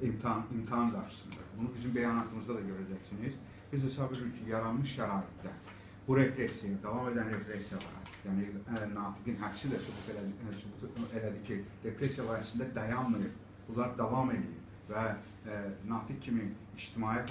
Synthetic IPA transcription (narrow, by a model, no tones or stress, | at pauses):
imt̪ʰnimt̪ʰɑnɡɑɾʃɯ̥sɯnd̪ɑ̰bunubizymbæjɑːnɑt̪ʰɯmɯzd̪ɑd̪ɑɟø̞ɾæd͡ʒæcsiniz | b̥izhesɑbveliɾcʰijɑɾɑnmɯʃʃæɾɑːjit̪̚d̪æ̰ | b̥uɾe̞pʰɾesjajad̪ɑvɑme̞d̪ænɾe̞pʰɾesijɑlˠɑ̰ɾɑ̰jæːninɑːt̪ʰiɡinɦæfsid̪æsubut̪ʰesubut̪elæd̪icʰiɾe̞pʰɾe̞sjalˠɑːhæsɯnd̪æd̪æjɑnmɯjɯɾ | b̥ulˠɑɾɯd̪ɑvɑme̞lḭjḭɾ | væ | nɑːt̪ʰikcʰːimiː | ʃt̪ʰimɑːjæ